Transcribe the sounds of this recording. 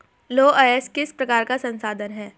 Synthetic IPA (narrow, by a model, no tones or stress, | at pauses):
loːʔɐɛskɪspɾɐkaːɾkasɐ̃nsaːd̪ənɦɛː